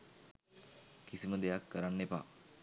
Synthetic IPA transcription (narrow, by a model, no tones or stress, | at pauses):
kisiməd̪ejakːəɾanːepa̰ː